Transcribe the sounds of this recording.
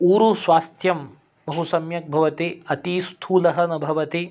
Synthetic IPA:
uːɾusʋaːst̪ʰjɐm | bɐɦusɐmjɐk̚bʱɐʋɐt̪iɐt̪ist̪ʰuːlɐɦɐnɐbʱɐʋɐt̪i

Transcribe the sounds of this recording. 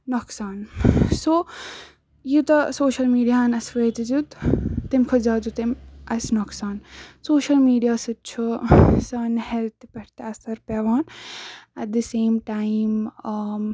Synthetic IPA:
nɔksaːnsoː | jut̪ɐsoːʃɐlmiːɖijanɐsʋeːt̪ɐzut̪ːimkʰɐzaːd͡zut̪imʔɐsnɔksaːnsoːʃɐlmiːɖijaːsɨt͡ʃʰusɐnhɛlt̪pɐʈʰt̪ɐsɐɾpeʋaːnɐt̪̚d̪iseːmʈaːim

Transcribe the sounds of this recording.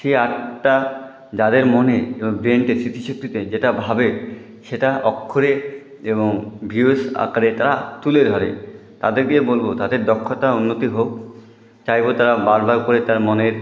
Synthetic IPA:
ʃeaʈʈa | d͡ʑad̪eɾmoneeboŋbɾeɳʈesɾit̪ʰiʃok̚t̪it̪ed͡ʑeʈabʱabe | ʃeʈaʔɔkʰːoɾe | eβoŋbʱiesa̰kaɾet̪aɾat̪uled̪ʱɔɾḛ | t̪a̰d̪eɾkiebolbot̪ad̪eɾd̪ɔkʰːot̪aunːot̪iɦok | t͡ɕajbot̪aɾabaɾbaɾkoɾet̪aɾmoneɾ

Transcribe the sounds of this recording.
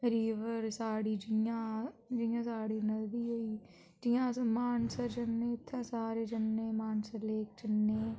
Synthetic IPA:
ɾiːʋəɾsaːɽiːd͡ʒɪjãːd͡ʒijãːsaːɽiːnəld̪iːoiː | d͡ʒɪjãːsmaːnsəɾd͡ʒənːeːɪt̪ʰːãːsaːɾeːd͡ʒənːeːmaːnsəɾleːk̚d͡ʒənːeː

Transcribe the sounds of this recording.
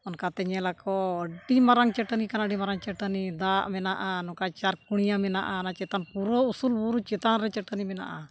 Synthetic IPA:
ɔnkat̪ɛɲɛlakɔɖimaɾaŋt͡ʃɛʈənikanaɖimaɾaŋt͡ʃɛʈənid̪aʔmɛnaʔanɔkat͡ʃaɾkuɽ̃ijamɛnaʔanat͡ʃɛt̪anpuɾɔusulbuɾut͡ʃɛt̪anɾɛt͡ʃɛʈənimɛna̰ʔa

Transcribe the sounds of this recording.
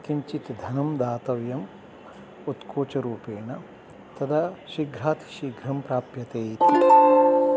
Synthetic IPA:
k̪imt͡ʃit̪d̪ʱɐnɐmd̪aːt̪ɐʋjɐm | ut̪kʰoːt͡ʃɐɾuːpeːɳɐ | t̪ɐd̪ʰɐʃiɡʱɾaːt̪i̥ʃiɡɾɐmpɾaːpjɐt̪eːjt̪i

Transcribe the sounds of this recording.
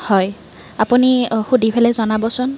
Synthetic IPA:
hɔj | apunixudʱibʰɛlɛzɔnabɔsʊn

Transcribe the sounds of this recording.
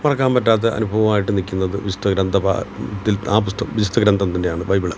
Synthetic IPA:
mɐrɐkːaːmpɐtːaːt̪̬ːeʔɐ̰nubʱɐʋɐmaːjiʈːɨnikʲːunːɐðɨʋid͡ʑu̥t̪ɐɡɾɐnd̪ʱɐpa̰t̪ːilaːp̬ust̪ɐʋid͡ʑut̪ɐɡɾɐnd̪ʱɐmt̪ɐnːe̞jaːɳɨʋɐjbiɭɐ̰m

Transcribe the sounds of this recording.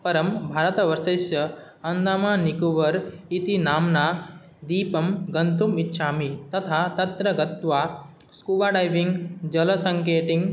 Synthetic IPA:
pɐɾɐmbʱaːɾɐt̪ɐʋɐɾsɐsjɐ | ɐnd̪aːmaːnikuʋɐɾit̪inaːmna | d̪iːpɐmɡɐnt̪umitːʃʰaːmit̪ɐt̪ʰat̪ɐt̪ɾɐɡɐt̪ʋa | skuʋaɖajʋiŋɡd͡ʒɐlɐsɐŋkeːʈiŋɡ

